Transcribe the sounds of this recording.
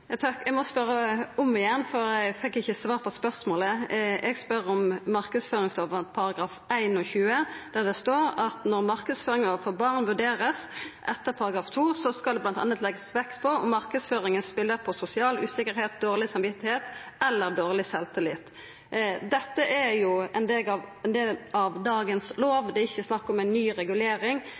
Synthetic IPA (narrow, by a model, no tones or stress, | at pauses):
jɑt̪ʰɑkːɛɡmɔspœɾːəʊmɪjɛnːfɔɾɛɡfɛkːɪçːəsʋɑːʁpʰɔspœʁsmoːləɛɡspœʁɔmːɑʁkəsføːɾɪŋsloːʋəpʰɑɾɑɡɾɑːfæɪnɔçʉːəd̪̥æd̪ɛst̪oːɾɑt̪nɔʁmɑʁkəd̪sføːɾɪŋoːʋfɔbɑʁnʋʉɖeːɾəsʔɛt̪ːəpʰɑɾɑɡʁɑːft̪ʰuːsɔskɑld̪ɛblɑnt̪ɑ̰nət̪lɛɡəsʋɛkt̪pʰɔɔmɑɾkəd̪sføːɾɪŋənspɪlːəpʰɔsʊsɪɑːlʉ̰ːsɪkːəɾheːt̪̚d̪oːʁlɪsɑmʋɪt̪ːɪheːt̪ɛlːəʁd̪oːʁlɪsɛlt̪ɪlɪt̪ | d̪ɛt̪ːəʔæɾjʊɛnd̪eːlɑʋɛnd̪eːlɑʋd̪ɑːɡənsloːʋd̪ɛɪçːəsnɑkːɔmɛɪnːyːɾɛɡʉleːɾɪŋ